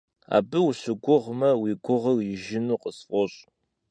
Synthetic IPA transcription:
a̰ːbɨwuɕʊɡʷʊʁmɐwiɡʷʊʁərjɪʒɪnuːqəsfʷɔɕʼ

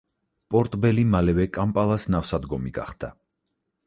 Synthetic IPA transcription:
pʼɔɾt̪ʼbɛlimalɛvɛkʼampʼalˠasnafsad̪ɡɔmiɡa̰χd̪̥a

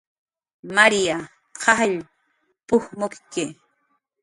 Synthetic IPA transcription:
maɾija | qɑhʎ | pʊhmʊkkɪ

